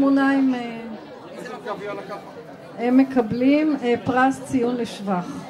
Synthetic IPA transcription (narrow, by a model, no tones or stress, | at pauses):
munaime | emːekablimepʁast͡sijunleʃvaχ